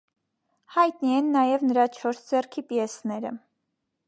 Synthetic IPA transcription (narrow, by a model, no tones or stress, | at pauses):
hɑjt̪niɛnːɑjɛvnəɾɑt͡ʃʰɔɾsd͡zɛrkʰipjɛsnɛɾə̰